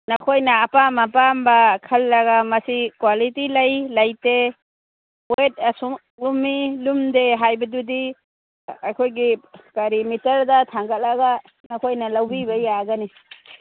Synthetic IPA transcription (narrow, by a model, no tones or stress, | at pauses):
nɐkʰojnaːpamapambakʰɐlːaɡamɐsikwalitilɐjlɐjte | et̚asu | lumːilumdeɦajbɐdudi | akʰojɡikaɾimitɐɾdɐtʰaŋɡɐt̚laɡa | nakʰojnɐlawbibɐjaɡani